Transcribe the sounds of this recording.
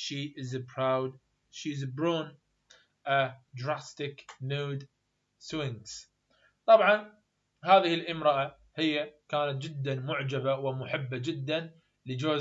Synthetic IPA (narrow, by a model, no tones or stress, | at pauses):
ʃiʔɪzbɾawd̪ | ʃiɪzbɾuːn | ʔad̪ɾast̪ɪknuːd̪ | swɪŋz̥ | t̪ˤɑbʕɑn | haːðɪhɪlʔɪmɾɑʔa | hɪjːakaːnat̪̚d͡ʒɪd̪ːanmʊʕd͡ʒabawɪmʊħɪbːad͡ʒɪd̪ːan | lɪd͡ʒoː